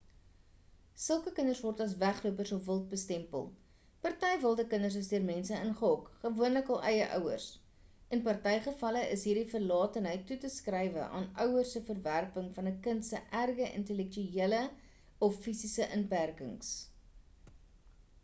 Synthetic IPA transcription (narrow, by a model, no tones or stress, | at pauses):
səlˠkəkənərsvɔrtɐsvæχluəpərsɔfvəlˠt̚bəstɛmpə̰lˠ | pɐrtɛjvəlˠdəkənərs̬əsdiərmɛnsəənχəɦɔkχəvuənləkɑːlˠʔɛjəʔœ̰wə̰rs | ənpɐrtɛjχəfɐləʔəsɦiːrdifərlɑːtənɦəjtːutəskrəjvə̰ʔɑ̰ːnœwərsəfərværpəŋfɐnəkəntsəʔærɡəʔə̰ntəlɛk̚tyiələ | ɔfːisisəʔənpærkə̰ŋs